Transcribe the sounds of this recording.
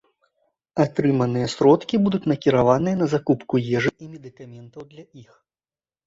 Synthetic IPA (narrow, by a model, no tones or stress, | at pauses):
at̪ɾɨmɐnɨjɛsʲɾɔt̪kʲibud̪ut͡sʲnɐkʲiɾavanɨjɐnɐzakupkujɛʐɨʔimʲɛd̪ɨkamʲɛnt̪ɐwd̪lʲɐix